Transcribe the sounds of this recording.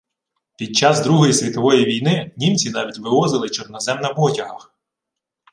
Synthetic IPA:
pʲid̪̚t͡ʃɑzd̪ɾuɦɔjisʲʋʲit̪ɔʋɔjiʋʲijnɪnʲimt͡sʲinɑʋʲitʲʋɪʋɔzɪlˠɪt͡ʃɔrnɐzɛmnɐbɔtʲɐɦɐx

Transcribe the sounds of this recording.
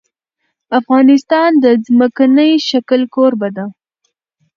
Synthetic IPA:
afɣɑnɪst̪ɑnd̪əzməkanəjʃakəlkoɾbad̪a

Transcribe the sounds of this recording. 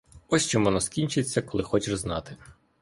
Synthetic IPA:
ɔsʲt͡ʃɔmɔnɔskʲinʲt͡ʃɪt͡sʲːɐkɔlˠɪxɔt͡ʃɪʐznɑt̪ɪ

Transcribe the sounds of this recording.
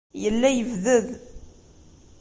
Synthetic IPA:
jəlːæjəvðəð

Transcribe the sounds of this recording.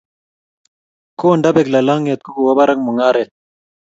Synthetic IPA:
koːɳɖɐbeklɐlaːŋet̪̚kukuwɐbɐɾɐŋmuŋaːɾet̪̚

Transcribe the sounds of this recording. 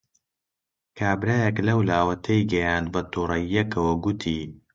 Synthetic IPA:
kʰaːbɾaːjɐklɐwlaːwɐt̪ʰejɡɐjaːnd̪̚bɐt̪ʰuːrɐjːɐkʰɐwɐɡut̪ʰiː

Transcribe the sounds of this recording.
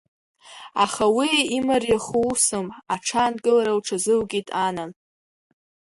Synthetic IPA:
aχawiimarjaχuwsɨmaʈ͡ʂʰanɡʼɨlaɾawʈ͡ʂʰazɨlɡʲitʼanan

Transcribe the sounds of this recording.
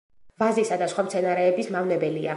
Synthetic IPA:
vazisad̪asχwamt̪sʰɛnaɾɛːbismavnɛbɛlia

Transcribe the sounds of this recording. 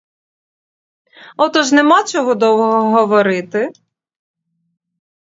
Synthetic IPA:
ɔt̪ɔʒnemɑt͡ʃɔɦɔd̪ɔwɔɦɔɦɔʋɔɾɪt̪ɪ

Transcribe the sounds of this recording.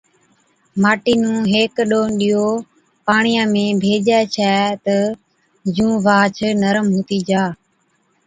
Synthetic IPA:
maːʈiːnũːɦeːkɗoːnɗiːoː | paːɳɪjãːmẽːbʱeːd͡ʒɛːt͡ʃʰɛːt̪ə | d͡ʒũːʋaːt͡ʃʰnəɾəmɦoːt̪iːd͡ʒaː

